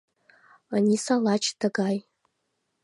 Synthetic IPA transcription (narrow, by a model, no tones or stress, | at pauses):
anisalat͡ʃʰtʰaɡaj